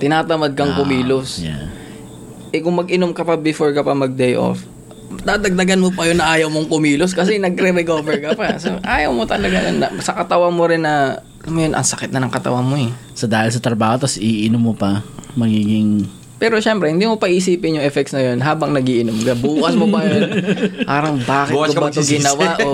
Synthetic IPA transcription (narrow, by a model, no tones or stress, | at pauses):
t̪ɪnaːt̪ɐmɐd̪̚kɐŋkʊmiːlosja̰ | ʔɛkʊŋmɐɡʔɪnomkɐpɐbɪfoɹkɐpɐmɐɡ̚d̪ejʔo̰f | d̪ad̪ɐɡ̚d̪ɐɡanmopɐjonːɐʔaːjɐwmoŋkʊmiːlos̬kɐs̬ɛnɐɡɾɛɾɛkoːvɛɹkɐpasoʔʔaːjɐwmo̞t̪ɐlɐɡajo̰nːɐ̰sɐkɐt̪ɐwamoɾɪnːɐ | mɐjonʔɐ̰ŋsɐkɪt̪nɐnɐŋkɐt̪ɐ̰wamohɛ | sɐd̪aːhɪls̬ɐt̪ɾɐbaːho̞t̪ɐsʔiʔɪnomːopɐmɐɡiːɡɪŋ | pɛːɾo̞ʃɛmpɾɛhɪnd̪iːmopɐʔiʔs̬iːpɪnjʊŋʔɛfɛk̚t̪snɐjo̞nɦaːbɐŋnɐɡiʔɪnomkɐbuːkɐsmopɐjonpaːɾɐŋbaːkɪtɡɐbɐt̪oɡɪnɐwaʔo